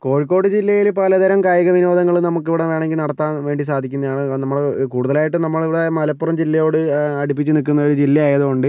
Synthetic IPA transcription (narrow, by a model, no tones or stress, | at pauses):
ko̞ːɻikːo̞ːɽɨd͡ʑilːɐjilpɐlɐd̪ɐɾɐmkaːjɐɣɐʋino̞ːd̪ɐŋːɐɭunɐmukːiʋiɽeʋe̞ːɳeŋɡilnɐɽɐt̪ːaːnʋe̞ːɳɖisaːd̪ʱikʲːunːɐðjaːɳɨnɐmːɐɭkuːɽuðɐlaːjiʈːɨnɐmːɐɭiʋiɽemɐlɐpːurɐmd͡ʑilːɐjo̞ːɽɨɐɽip̬ːit͡ɕːɨnikːunːɐo̞ɾud͡ʑilːɐjaːjɐðukoɳɖɨ